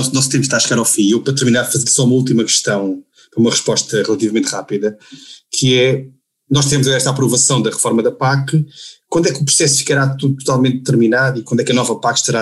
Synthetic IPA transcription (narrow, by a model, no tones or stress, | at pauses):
sunɔsut̪ẽmpʃt̪aɐʃɨɣaɾawfĩewpɾɐt̪ɨɾminaɾfɐzeɾsɔumɐulˠt̪imɐkɨ̥ʃt̪ɐ̃w̃ | pɾɐumɐʁɨʃpɔʃt̪ɐʁɨlˠɐt̪ivɐmẽnt̪ʁapiðɐkʰɨɛ | nɔʃt̪ɾemuzɐɾɛʃt̪apɾuvɐsɐ̃w̃d̪ɐʁɨfɔɾmɐðɐpakkwɐ̃nd̪wɛkupɾu̥sɛsu̥fi̥kɐɾat̪uðut̪u̥t̪alˠmẽnt̪̚ːɨɾminaðikwɐ̃nd̪wɛkɐnɔvɐpakʃt̪ɐɾa